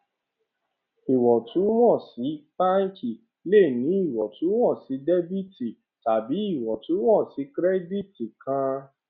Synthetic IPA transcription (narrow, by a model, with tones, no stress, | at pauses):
i˨wɔ˨tʰu˨˦w̃ɔ̃˦˨si˨˦pa˦n˦ki˦˨ | le˦˨nĩ˨˦i˦˨wɔ˨tu˨˦w̃ɔ̃˦˨si˨˦de˦bi˦ti˨ | ta˨bi˨˦i˦˨wɔ˨tu˨˦w̃ɔ̃˦˨si˨˦kɾɛ˦di˦˨ti˨kã˧˦